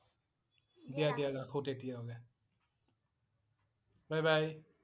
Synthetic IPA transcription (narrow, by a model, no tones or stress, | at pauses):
dijadiaɡakʰotetijaɔɡɛ | bajbaj